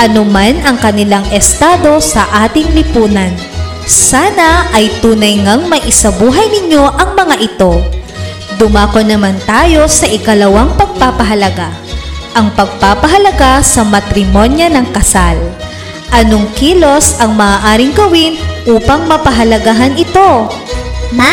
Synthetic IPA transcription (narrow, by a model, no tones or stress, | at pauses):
ʔɐnomanɐŋkɐnɪlaŋʔɛst̪aːd̪o̞sɐʔaːt̪ɪŋlɪpuːnɐn | saːnɐʔɐjt̪uːnɐjŋɐŋmɐjʔɪsabuːɦɐjnɪɲjo̞ʔɐŋmɐŋaʔɪt̪o̞ | d̪ʊmaːkonːɐmant̪aːjo̞sɐʔɪkɐlɐwaŋpɐɡ̚paːpɐɦɐlɐɡa | ʔɐŋpɐɡ̚paːpɐɦɐlɐɡasɐmɐt̪ɾɪmo̞njɐnɐŋkɐsal | ʔɐnoŋkiːlo̞sɐŋmɐaʔaːɾɪŋɡɐwɪnʔuːpɐŋmɐpɐɦɐlɐɡaɦɐnɪt̪o̞